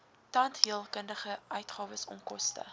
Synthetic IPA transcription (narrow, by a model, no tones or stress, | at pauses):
tɐntɦiəlˠkəndəχəʔœɥtχɑːvəsɔ̰nkɔstə̰